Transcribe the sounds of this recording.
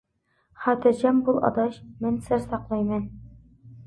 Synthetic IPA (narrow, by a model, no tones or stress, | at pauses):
χæt̪ɘ̆ɾʑæmbulˠɑ̰d̪ɑɕmɘ̆nsɘzsɑqlˠɑjmɘn